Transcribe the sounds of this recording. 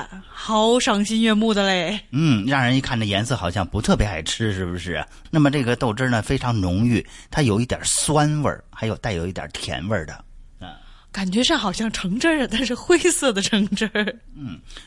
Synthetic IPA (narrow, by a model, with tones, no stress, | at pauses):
xɑ˧˥ʊʂɑ˧˥ŋɕi˥nɥɛ˥˧mu˥˩d̪ə˩le˥˩ɪn̩˥˩ɻɑ˥˩ŋɻə˧˥ni˥˧kʰa˥˩ndə˩jɛ˧˥nsɤ˥˩xɑ˨˩ʊɕjɑ˥˩ŋpu˧˥t̪ʰɤ˥˩p̬jɛ˧˥xa˨˩ɪʈ͡ʂʰɻ̩˥ʂɻ̩˥˩bu˩ʂɻ̩˥˩ɐ̰˩ | na˥˩mə˩ʈ͡ʂɤ˥˩ɡə˩t̪o˥˩ʊʈ͡ʂə˥nə˨fe˥ɪʈ͡ʂʰɑ˧˥ŋnʊ˧˥ŋy˥˩t̪ʰa˥jo˨˩ʊi˥˩t̪jɑ̰˨˩swa˥nwə̰˞˥˩xa˧˥jo˨˩ʊt̪a˥˩ɪjo˨˩ʊi˥˩t̪jɑ̰˨˩t̪ʰjɛ̰˧˥nwə˞˥˩d̪ə̰˩ | ka˨˩nt͡ɕɥɛ˧˥ʂɑ˥˩xɑ˨˩ʊɕjɑ˥˩ŋʈ͡ʂʰɤ˧˥ŋʈ͡ʂə˥˧t̪a˥˧nʂɻ̩˥˩xwe˥ɪsɤ˥˩d̪ə˩ʈ͡ʂʰɤ˧˥ŋʈ͡ʂə˥n̩˥˩